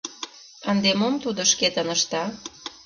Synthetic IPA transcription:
ənd̪emomt̪ud̪oʃket̪ənəʃt̪ɑ

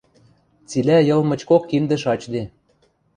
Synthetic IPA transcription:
t͡silæjɤ̆lmɤ̆t͡ɕkokːimd̪ɘ̆ʃɑt͡ɕd̪e

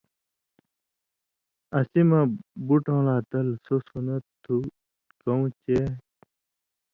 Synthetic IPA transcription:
ɐsimãbuʈõːlaːt̪ɐlsosunɐt̪ʰːu | kɐũt͡ɕe

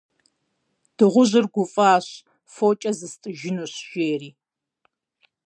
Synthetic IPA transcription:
d̥ɨʁʷʊʑɪrɡʷʊfʼaːɕ | foːt͡ʃʼɐzɨstʼɨʒɪnuːɕʒ̥eːriː

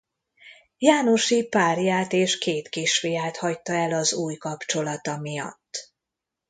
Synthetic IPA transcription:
jaːno̞ʃipaːrjaːt̪eːʃkeːt̪kiʃfijaːt̪hɒct̪ɒɛlɒzuːjkɒpt͡ʃo̞lɒt̪ɒmijɒ̰t̪ː

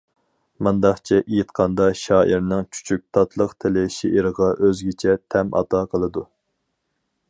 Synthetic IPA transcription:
mɑnd̪ɑχt͡ʃʰɛʔijit̪̚qʰɑnd̪ɑʃɑːʔiɾnɪŋt͡ʃʰy̥t͡ʃʰyk̚ʲt̪ʰɑt̪ʰlˠəqt̪ʰɪlɪʃeʔiɾəʁɑʔøzɡʲɪt͡ʃʰɛt̪ʰɛmʔɑ̰t̪ʰɑqʰəlˠɨd̪u

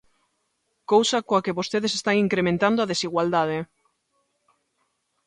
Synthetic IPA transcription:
kowsakoakeβost̪eðesest̪aŋiŋkɾemẽnt̪and̪oaðesiɣwald̪að̞e

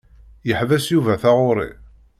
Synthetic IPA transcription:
jəħvæsjuvæθaʁʊɾˤḭ

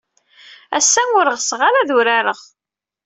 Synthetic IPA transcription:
æ̰sːænʊɾəʁsʁalaðʊɾaɾəʁ

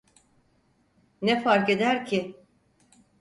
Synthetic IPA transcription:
nɛfaɾke̞d̪æɾcʰɪ

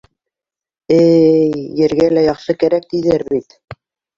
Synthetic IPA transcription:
ɘː | ɘ̆ɾɡælæjɑχʃɤkæɾæk̚t̪iðæɾβit̪

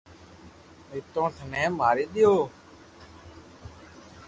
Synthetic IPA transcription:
ɪt̪õːt̪ʰənɛ̃ːmaːɾiːɗ̪ɪjoː

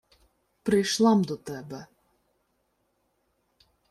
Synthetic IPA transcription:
pɾɪjʃlˠɑmd̪ɔt̪ɛbɛ

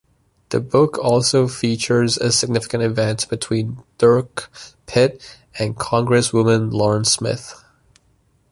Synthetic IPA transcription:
ðɨ̰bʊkʰɔlˠsoʊfit͡ʃə˞zɨ̰sɨɡ̚nɪfɪ̥kɨ̃ntɨvɛ̃ntsb̥ɨtʰw̥ĩnd̥ɜ˞kpʰɪɾ | ɨ̃nkʰɑ̃ŋɡɹɨswʊmə̃nlɔɹə̃nsmɪ̰θ

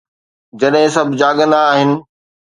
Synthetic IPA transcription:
d͡ʑɐɗɦɪ̃sɐbʱɪd͡ʑaːɠə̃nd̪aːɦɪnɪ̆

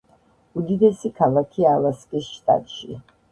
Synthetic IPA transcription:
ud̪id̪ɛsikʰalˠakʰialaskʼisʃt̪ʼa̰t̪ʼʃi

